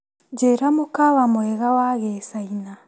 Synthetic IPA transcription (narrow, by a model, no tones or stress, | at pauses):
ɟeɾamukaβamweɣawaɣesaina